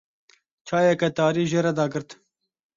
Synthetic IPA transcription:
t͡ʃʰɑːjɛkɛt̪ɑːɾiːʒeːɾɛd̪ɑːɡɨɾt̪

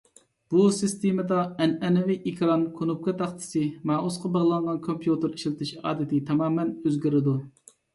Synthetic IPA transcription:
b̥usɨst̪emɨd̪ɑɛnɛnɛviʔikʲʰɾɑnkʰonup̚kʰɑt̪ʰɑχt̪ʰɪ̥sɪmɑːusqɑbəʁlˠɑɴʁɑnkʰompʰjut̪ɪɾiʃlɪt̪ʰɪʃɑ̰ːd̪ɪt̪ʰɪt̪ʰɑmɑːmɛnøzɡʲiɾɪd̪u

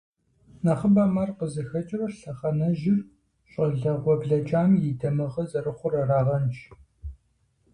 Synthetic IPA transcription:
nɐχəbaːmaːrqəzɐxɐt͡ʃʼrɐɬɐχɐnɐʒɪr | ɕʷʼɐɮɐʁʷɔbɮɐt͡ʃʼaːmjɪdɐmɨʁɐzɐrɨχʷʊrɐraːʁɐnt͡ʃʰ

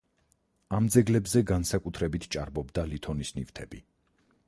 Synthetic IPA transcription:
amd̪zɛɡlɛbzɛɡansakʼut̪ʰɾɛbit̪ʰt͡ʃʼaɾbɔbd̪alit̪ʰɔnisnift̪ʰɛbi

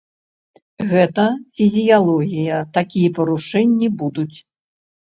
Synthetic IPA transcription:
ɣɛt̪ɐfʲizʲijalˠɔɣʲijɐt̪akʲijɛpɐɾuʂɛnʲːibud̪ut͡sʲ

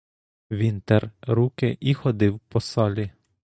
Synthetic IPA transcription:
ʋint̪ɛɾɾuːkɛʔixɔd̪ɪwpɔsɔlʲi

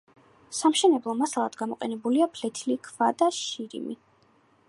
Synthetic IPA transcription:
samʃɛnɛblˠɔmasalˠad̪̥ɡamɔqʼɛnɛbuliapʰlɛt̪ʰilikʰvad̪aʃiɾḭmḭ

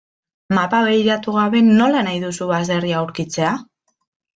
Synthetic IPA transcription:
mapaβejɾat̪uɣ̞aβe̞nːo̞lanajðusuβaze̞riawɾkit͡se̞a

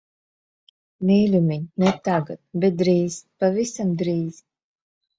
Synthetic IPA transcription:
niːlʲumʲiɲnɛt̪aɡat̪̚bɛt̪̚d̪ɾiːz̥pavisamd̪ɾiːz̥

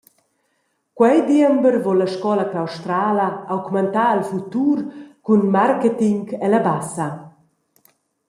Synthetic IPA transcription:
kwɛjd̪iəmbəɾvɔlːaʃkɔlakawʃt̪ɾaːlaawɡmant̪aːəlfut̪uːɾkunmarkɛt̪iŋkɛlabasɐ

